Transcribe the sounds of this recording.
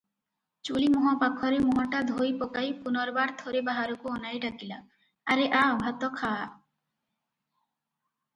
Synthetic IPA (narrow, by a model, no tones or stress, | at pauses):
t͡ʃulimɔɦɔpakʰɔɾemɔɦɔʈad̪ʱojpokajpunɔɾbaɾt̪ʰoɾebaɦaɾokuɔnajɖakila | aɾeʔabʱat̪ɔkʰa